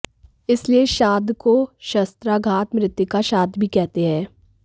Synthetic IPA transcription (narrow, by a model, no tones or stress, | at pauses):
ɪslieʃaːd̪koʃɐst̪ɾaɡʱaːt̪mɾɪt̪jukaʃaːd̪ʱbʱikɛɦt̪eɦɛ̃ː